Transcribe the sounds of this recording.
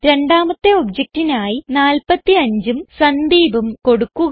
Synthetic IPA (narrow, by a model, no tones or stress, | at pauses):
ɾe̞ɳɖaːmɐt̪ːeobd͡ʑɐk̚tinaːjinaːlpɐt̪ːiɐɲd͡ʑumsɐnd̪iːbumko̞ɽukːuɣ